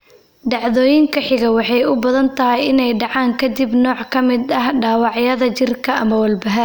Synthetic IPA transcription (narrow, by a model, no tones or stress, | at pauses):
ɖɑʕðɔːjɪŋkʰɐħɪɣɐwɑħɑjʊbɐðɐnt̪ʰɐɦɪjɪnɛjɖɑʕɑːŋkʰɐd̪ibnɔːʕkʰɐmɪd̪ɐɦɖaːwɑʕjɐðɐt͡ʃɪrkʰɐʔɐmɐwɐlbɐɦɐ